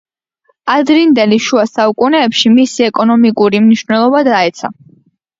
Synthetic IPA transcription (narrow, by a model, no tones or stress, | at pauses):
ad̪ɾind̪ɛliʃuasaukʼunɛːpʃimisiɛkʼɔnɔmikʼuɾimniʃnɛlˠɔbad̪aɛt̪sʰa̰